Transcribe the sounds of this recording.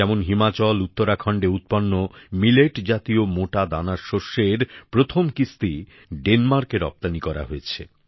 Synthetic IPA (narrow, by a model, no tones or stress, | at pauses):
ɛmonɦimat͡ɕɔlut̪ːoɾakʰɔɳɖeut̪̚pɔnːomileʈd͡ʑat̪iomoʈad̪anaɾʃoʃːeɾpɾot̪ʰomkist̪i | ɖenmaɾkeɾɔ̰p̚t̪anikɔɾa̰ɦoet͡ɕʰḛ